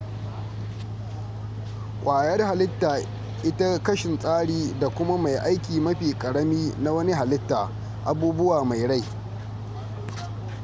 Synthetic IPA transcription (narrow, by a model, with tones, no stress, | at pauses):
kʷʼaː˨jɐ˦rha˨lɪ˦tːaː˨ | ʔɪ˦ta˦kɐ˦ʃɪ˨nsʼaː˦ɽiː˦da˨kʷʊ˦ma˦ma˨jʔa˦jkʲiː˨mɐ˦ɸiː˨kʼɐ˨ɽɐ˦miː˦na˦wɐ˦ni˦ɦa˨lɪ˦tːaː˨ | ʔa˨buː˦bʊ˦waː˨ma˨jɽa˦˨j